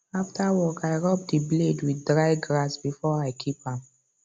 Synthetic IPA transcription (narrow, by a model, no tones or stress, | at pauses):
aftʰawɔkaɪɹɔp̚dibledwiddɹaɪɡɹasbifɔaɪkʰipãm